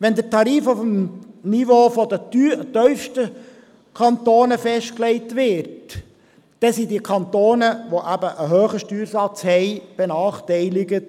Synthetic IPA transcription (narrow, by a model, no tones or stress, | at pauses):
ʋɛnd̪ətʰɑɾiːfufm̩nivoːfɔd̪əyt̪œʏfʃtə | kʰɑnt̪oːnəfɛʃtklɛɪt̪ʋɪɾt | d̥ɛsidikʰɑnt̪oːnəʋoʔæbəʔəɦøːχəʃtyːɾsɑt͡shɛɪb̥ɛnɑːχtɛɪlɪɡə